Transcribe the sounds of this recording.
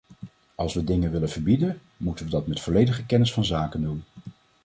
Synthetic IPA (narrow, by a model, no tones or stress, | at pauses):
ɑlˠsʋədɪŋənʋɪlənv̥əɹbidən | mutənʋədɑtmɛtfɔlejdəχəkɛnɪsfɑnzaːkəndun